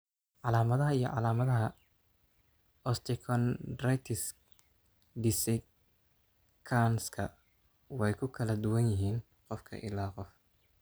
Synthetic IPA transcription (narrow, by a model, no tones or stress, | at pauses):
ʕɑlaːmɐðɐɦɐijɞʕɑ̰laːmɐðɐɦɐ | ɔst̪ʰɪkʰɔndrajt̪ʰɪs | d̪ɪsɛ | kʰanskʰɐ̰ | wɛjkʰʊkʰɐlɐd̪ʊwɐnjɪɦiːn | qɔfkʰɐ̰ʔɪ̰laːqɔf